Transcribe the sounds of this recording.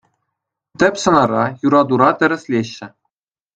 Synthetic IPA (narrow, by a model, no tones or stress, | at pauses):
t̪ʲɘ̆pʲsɤ̆nɑɾɑjuɾɑd̪uɾɑt̪ʲɘ̆ɾʲɘ̆sʲlʲeɕːɘ̆